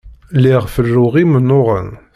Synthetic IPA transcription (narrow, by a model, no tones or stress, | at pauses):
liʁfərːuʁimənːʊʁən